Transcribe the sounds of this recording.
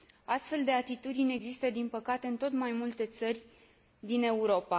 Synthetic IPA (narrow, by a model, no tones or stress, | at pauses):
ast̪fe̞ld̪e̞at̪it̪ud̪inʲe̞ɡzist̪əd̪inpəkat̪e̞ɨnt̪o̞t̪majmult̪e̞t̪sərʲ | d̪ine̞uɾo̞pa